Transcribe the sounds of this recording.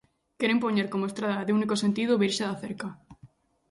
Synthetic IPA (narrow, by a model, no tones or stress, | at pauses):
keɾempoɲeɾkomoest̪ɾaðaðeunikose̞nt̪ið̞oβiɾseðaθeɾka